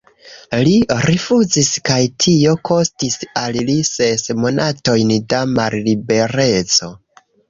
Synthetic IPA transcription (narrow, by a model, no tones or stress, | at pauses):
liɾifuziskajtʰio̞kʰo̞stisallisesmo̞nato̞jndamallibe̞ɾe̞t͡so̞